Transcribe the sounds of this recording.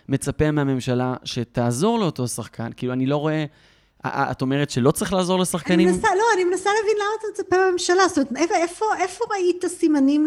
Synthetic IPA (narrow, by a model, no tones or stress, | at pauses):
me̞t͡sapeameame̞mʃalaʃe̞taːzo̞ʁleo̞to̞asaχkʰa̰nkiːluanilo̞ʁo̞e̞ | a̰a̰to̞me̞ʁetʃelo̞t͡sʁiχlaːzo̞ʁlesaχkanenimnmsalo̞animenasaleavinlamatamet͡sapebame̞mʃalastomeetefefo̞ʔefo̞ʁait̪asimanim